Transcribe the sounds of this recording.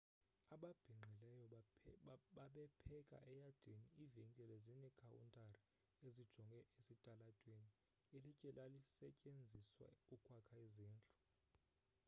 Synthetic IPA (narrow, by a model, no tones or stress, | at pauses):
aɓab̥ʱiŋ͡ǃʱilɛjɔ | ɓaɓɛpʰɛkʼa̰ʔɛjad̥ʱeniiveŋkʼɛlezinɛkʰʼawṵntʼari | ezid̥ʒ̥ʱɔŋɡʱɛʔesitʼalad̥ʱʼweni | ɛlɛcʼɛlalisɛcʼend͡zʱiswa̰ukʼʰwakʰaizɛːnt͡ɬʼɔ̥